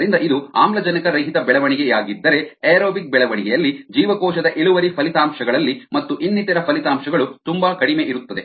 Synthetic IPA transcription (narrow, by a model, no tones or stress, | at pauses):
ɾind̪ɐʔid̪ua̰ːmlɐd͡ʒɐnɐkɐɾɐjɦit̪ɐbɛɭɐʋɐɳiɡejaːɡid̪ːɐɾe̞eːɾoːbik̚bɛɭɐʋɐɳiɡɛjɐlːid͡ʒiːʋɐkɔːʃɐd̪ɐʔeɭuʋɐɾipʰɐlit̪aːmʃɐɡɐɭɐlːimɐt̪ːuʔinːit̪ɐɾɐpʰɐlit̪aːmʃɐɡɐɭut̪umbakɐɽime̞ʔiɾut̪ːɐd̪e̞